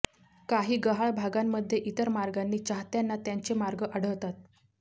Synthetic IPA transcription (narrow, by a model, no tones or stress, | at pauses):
kaɦiːɡəɦaɭbʱaɡamːəd̪ʱːjeʔit̪əɾmaɾɡanːiːt͡ɕaɦt̪janːat̪jaɲt͡ɕemaɾɡəʔəɽ̤əʋt̪at̪